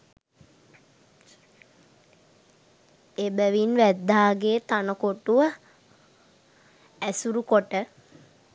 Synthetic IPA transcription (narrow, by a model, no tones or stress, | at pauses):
ebəʋinʋæd̪ːaːɡeːt̪anəkoʈuʋə | æsuɾukoʈə